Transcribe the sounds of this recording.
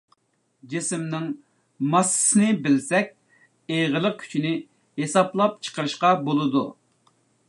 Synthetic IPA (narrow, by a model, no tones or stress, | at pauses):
d͡ʒisɪmnɨŋ | mɑsːsɨnɨbɪlsɛk̚ʲ | eʁəlˠəq̚kʲʰy̥t͡ʃʰinɪ | hesɑplˠɑp̚t͡ʃʰə̥qʰəɾɨʃqɑbolˠɨd̪u